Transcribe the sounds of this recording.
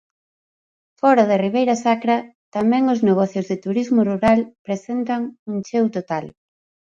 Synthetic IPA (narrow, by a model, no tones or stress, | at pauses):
fɔɾað̞eriβ̞ejɾɐsakɾɐt̪amɛ̃ŋozneɣ̞ɔθjʊzðɪt̪uɾizmʊruɾalpɾesent̪ɐŋuŋt͡ʃewt̪ot̪al